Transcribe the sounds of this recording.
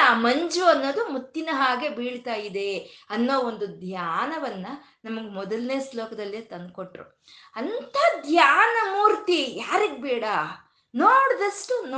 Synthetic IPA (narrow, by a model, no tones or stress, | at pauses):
aːmɐɲd͡ʒuɐnːoːd̪umut̪ːinɐɦaːɡe̞biːɽt̪aːjid̪e̞ɐnːoːond̪ud̪ʱjaːnɐʋɐnːɐ | nɐmɐɡemɔd̪ɐlneːslɔːkɐd̪ɐlːet̪ɐnd̪̚koʈɾṵ | ɐnt̪ɐd̪ʱjaːnɐmuːɾt̪ijaːɾiɡbɛːɽɐ | noːɽd̪ɐʂʈun